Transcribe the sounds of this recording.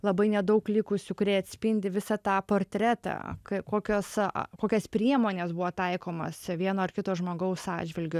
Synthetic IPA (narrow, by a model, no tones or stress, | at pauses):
lˠɐbɐɪnʲɛd̪ɐʊklʲɪkʊsʲʊkʊɾʲɛɪɐt̪ʲsʲpʲɪnʲd̪ʲɪʋʲɪsɑt̪ɑːpoːɾʲt̪ʲɾʲæt̪ɑ̰kɐɪkoːkʲoːskoːkʲɛspʲɾʲiɛmoːnʲesbʊʋoːt̪ɐɪkoːmɐ̰sʋʲiɛnoːɪrkʲɪt̪oːʒmoːɡɐʊsɑ̰ːd͡ʒʲʋʲɪlʲɡʲʊ